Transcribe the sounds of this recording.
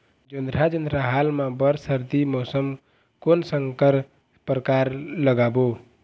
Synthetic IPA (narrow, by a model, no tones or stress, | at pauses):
d͡ʒənd̪ɾad͡ʒənd̪ɾaɦalmãbəɾsəɾd̪imɔsəm | konsəŋkəɾ | pɾəkaɾləɡabo